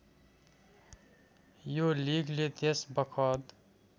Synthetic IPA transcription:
joliːɡlet̪esbɐkʰɔːd̪

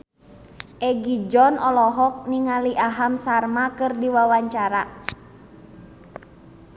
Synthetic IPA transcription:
ʔɛɡid͡ʒɔnɔlɔɦɔk̚niŋaliʔaɦamsarmakɨrdiwawaɲt͡ʃaɾa

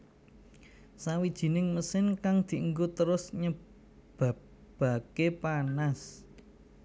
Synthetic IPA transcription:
sawid̥ʒ̥i̤nɪŋməsɪnkaŋd̪̥i̤ʔəŋɡot̪əɾʊsɲə | bb̥a̤ | b̥ä̤kepanas

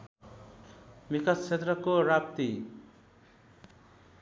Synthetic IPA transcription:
mikast͡ʃʰːet̪rʌkoɾap̚t̪i

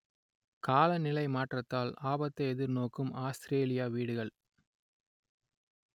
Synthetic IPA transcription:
kaːlɐnɪlɐɪmaːʈrɐt̪ːaːlaːbɐt̪ːɐɪɛðɪɾnoːkɯmaːst̪ɪɾeːlɪjaːʋiːɽɯɣɐɭ

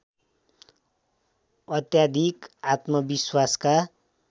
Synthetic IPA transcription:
ʌt̪jad̪ʱikat̪mʌbiswaska

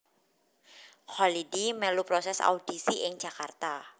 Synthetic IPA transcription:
xalidimɛlupɾosɛsa̰ud̥isiʔɪŋd͡ʒ̥akart̪a

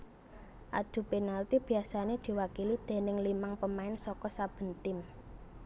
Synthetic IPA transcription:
ʔad̪̥ṳpenalt̪ib̥i̤asaned̪̥i̤wakilid̪̥e̤nɪŋlimaŋpəmaɪnsɔkɔsab̥ə̤nt̪ɪm

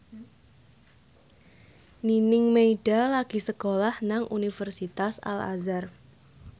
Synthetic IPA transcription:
ninɪŋmeiɖ̥alaɡ̥i̤səkolahnaŋʔunifərsit̪asa̰la̰zar

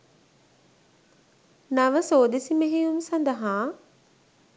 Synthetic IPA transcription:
naʋəsoːd̪esimeɦijumsɐnd̪əɦaː

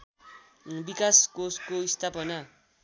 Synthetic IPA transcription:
bikaskoskoist̪ʰapʌna

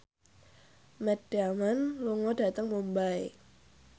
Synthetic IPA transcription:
mɛt̪d̥iamanluŋɔd̥a̤t̪əŋmumbae

